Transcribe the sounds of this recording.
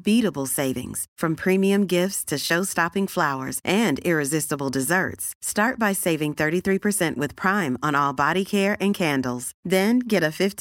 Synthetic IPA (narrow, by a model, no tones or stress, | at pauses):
biɾəbl̩ˠseɪvɪ̰̃ŋz̥fɹʌ̃mpʰɹ̥ĩmiɨ̃mɡɪftstʰɨʃoʊstɑpɪ̃ŋflaʊə̰˞zʔɨ̃nɪɹɨzɪstəbl̩ˠdɨzɜ̰˞tstɑɹt̚b̥aɪseɪvɪ̃ŋθɜ˞ɾiθɹipʰə˞sɛ̃nʔwɨð̥pʰɹ̥ãɪ̃mə̃nɔlˠbɑɾikʰɛɹʔɨ̃nkʰæ̃ndl̩ˠz̥ðɨ̃nɡɛɾɨfɪft